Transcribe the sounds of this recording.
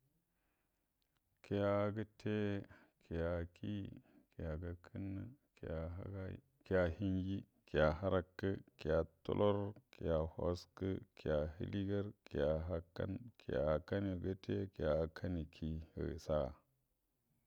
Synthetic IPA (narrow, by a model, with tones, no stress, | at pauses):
kʰi˨ja˨˦ɡə˦te˦kʰi˨ja˨kʰi˦ki˨ja˨ɡa˨kʰɨ˦nːɨ˦ka̰˨˦ɡa˦ | ki˨ja˨hi˦ɲɡi˦ | ki˨ja˨ɦa˦ɾa˦kːə˦ki˨ja˨to̰˦lʔo˦ɾki˨ja˨ho̰˦skə˦kʰi˨a˨ɦḭ˦li˦ɡə˦ɾki˨ja˨ɦa˦kːa̰˦nkʰḭ˨ja̰˨ka˦ni˨ɡə˦tʰe˦ki˨ja˨kʰa˦ni˨kʰi˦ə̰˨i˨sa˦˨